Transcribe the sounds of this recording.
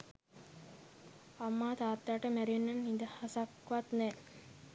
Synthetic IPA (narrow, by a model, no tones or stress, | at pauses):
amːaːt̪aːt̪jaːʈəmæɾienːanːind̪əhasakʋat̪nɛː